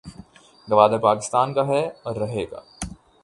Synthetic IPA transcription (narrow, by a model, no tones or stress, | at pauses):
ɡɐʋaːd̪apaːkɪst̪aːnkaɦɛɔːɾːɐɦeːɡa̰ː